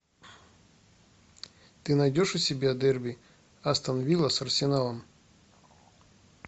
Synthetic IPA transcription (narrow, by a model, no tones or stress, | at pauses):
t̪ɨnɐjdʲoʂʊsʲɪbʲad̪ɛrbʲi | ɐst̪ɐnɐvʲilˠɐsɐrsʲɪnalˠɐm